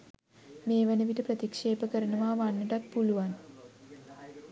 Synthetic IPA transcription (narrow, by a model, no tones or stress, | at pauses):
meːʋenəʋiʈəprət̪ikʂeːpəkəɾənəʋaːʋanːəʈat̪̚puluʋan